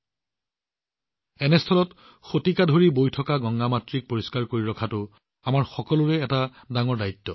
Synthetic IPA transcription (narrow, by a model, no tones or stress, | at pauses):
ɛnɛstʰɔlɔt | xotikadʱoɹibojtʰɔkaɡɔŋɡamatɹik̚poɹiskaɹkoɹiɹɔkʰatʊ | amaɹxɔkɔlʊɹɛːta | daŋɔɹdajtːɔ